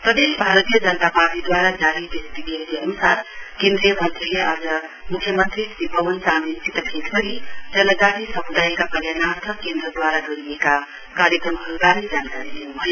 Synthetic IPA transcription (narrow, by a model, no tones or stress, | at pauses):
pɾəd̪esbʱaɾət̪ijəd͡ʒənt̪apaɾʈid̪waɾad͡ʒaɾib̪estiɡeleənusaɾkẽnd̪ɾijəmənt̪ɾileʔad͡zəmukʰːjəmənt̪ɾisibəʋənsamint̪it̪əbʰʱet̪ʰbəɾid͡ʒələɡaɾisəmud̪aikapəljanaɾt̪ʰəkkːend̪ɾəd̪waɾaɡəɾimeka | kaɾjəkɾəmɦəlɡaɾed͡ʒankaɾilemə